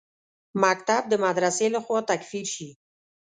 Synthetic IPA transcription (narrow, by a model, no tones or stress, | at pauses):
makt̪ab̚d̪əmad̪ɾaselaxwɑt̪akfiɾʃi